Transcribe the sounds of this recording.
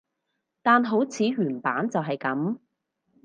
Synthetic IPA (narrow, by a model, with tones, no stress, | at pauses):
t̪aː˨nɦo˨˥wt͡sʰiː˨˥ɥyː˨˩npaː˨˥nt͡sɐ˨wɦɐ˨jkɐ˨˥m